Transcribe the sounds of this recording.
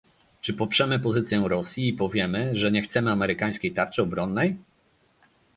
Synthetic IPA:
t͡ʂɘpɔpʂɛmɘpɔzɘt̪sʲjɛ̃ɾɔsʲjiːpɔvʲjɛmɘʐɛɲɛxt̪sɛmɘamɛɾɘkaj̃skʲejt̪aɾt͡ʂɘɔbɾɔnːɛj

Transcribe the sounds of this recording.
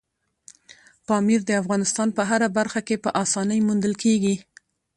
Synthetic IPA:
qɑmiɾd̪əafɣɑnɪst̪ɑnpəɦaɾabaɾxakepəʔɑsɑnəjmund̪əlkeɡi

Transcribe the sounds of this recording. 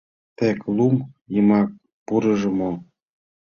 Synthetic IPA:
t̪eklumjəmɑk̚ | puɾɤ̆ʒɤ̆mo

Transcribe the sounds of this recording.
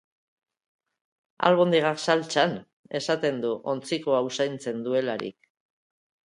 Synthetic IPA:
a̰lβo̞nd̪eɣaksalt͡ʃan | e̞sat̪e̞nd̪uʔo̞nt͡sikoausajnt͡se̞nd̪ue̞laɾḭk̚

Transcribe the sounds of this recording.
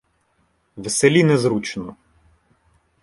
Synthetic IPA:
ʋeselʲinɛzɾut͡ʃnɔ

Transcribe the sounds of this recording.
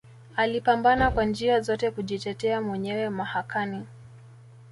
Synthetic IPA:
alipambanakwand͡ʒiazɔtɛkuʄitɛtɛamwɛɲɛwɛmahakani

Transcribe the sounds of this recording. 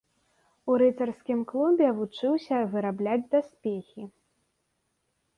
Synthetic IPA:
uɾɨt̪ɐrskʲimklˠubʲɛvut͡ʂɨwsʲɐvɨɾablʲad͡zʲd̪asʲpʲexʲi

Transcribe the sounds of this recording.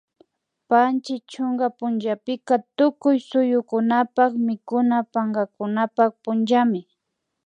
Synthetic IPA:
pant͡ʃɪt͡ʃʊŋɡapʊnd͡ʒapɪkat̪ʊkʊjsʊjʊkʊnapakmɪkʊnapaŋɡakʊnapak̚pʊnt͡ʃamɪ

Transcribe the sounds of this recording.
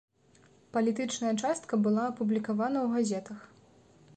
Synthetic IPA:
pɐlʲit̪ɨt͡ʂnɐjɐt͡ʂast̪kɐbɨlˠaːpublʲikavanɐwɣazʲɛt̪ɐx

